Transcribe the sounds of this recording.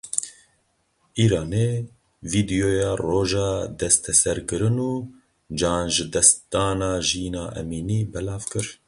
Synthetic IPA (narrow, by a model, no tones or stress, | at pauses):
iːɾɑːneː | viːd̪ijoːjɑːroːʒɑːd̪ɛst̪ʰɛsɛɾkɨɾɨnuː | d͡ʒɑːnʒɨd̪ɛst̪ɑːnɑːʒiːnɑːʔɛ̰miːniːbɛlɑːvkɨɾ